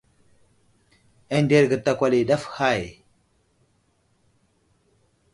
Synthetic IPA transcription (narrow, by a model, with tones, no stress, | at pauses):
e˦nde˦˨ɾɡə˨ta˨kʷa˨li˨ɗa˦fha˦˨j